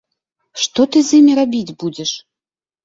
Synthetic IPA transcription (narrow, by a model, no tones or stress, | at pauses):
ʂt̪ɔt̪ɨzʲjimʲiɾabʲid͡zʲbud͡zʲɛʂ